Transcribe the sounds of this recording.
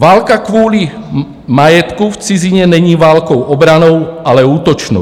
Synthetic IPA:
ʋaːlkakʋʊɔli | majɛt̪kuft͡siziɲɛɲɛɲiːʋaːlkɔʊɔbɾanɔʊalɛuːt̪ɔt͡ʃnɔ̰

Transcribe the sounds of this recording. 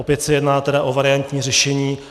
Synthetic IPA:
opjɛt̪sɛjɛdnaːt̪ɛdaʔovaɾɪjant̪ɲiːrɛʃɛɲiː

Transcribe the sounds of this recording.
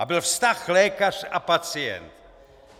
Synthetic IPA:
abɪlfst̪axlɛːkarapat͡sɪɛ̰nt̪

